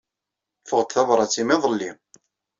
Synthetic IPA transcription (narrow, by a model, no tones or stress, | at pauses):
fəʁt̪θɑvɾˤɑt͡sːimiðˤəlːim